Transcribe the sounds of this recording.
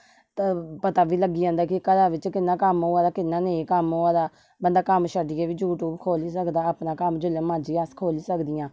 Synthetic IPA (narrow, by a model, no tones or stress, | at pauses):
t̪aːpət̪aːʋiːləɡːiːd͡ʒãːnd̪aːkɪkəd̪aːʋɪt͡ʃkɪnːãːkəmɦoːãːd̪aːkɪnːãːneːkəmɦoːãːd̪aː | bənd̪aːkəmʃəɖiːɛːʋiːd͡ʒuːʈuːbkʰoːliːsəkd̪aːaːpnãːkəmd͡ʒʊlẽːmãːd͡ʒiːaːskʰoːliːsəkd̪ɪjãː